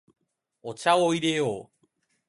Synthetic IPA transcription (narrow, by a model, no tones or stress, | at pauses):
ot͡ʃawojɾeo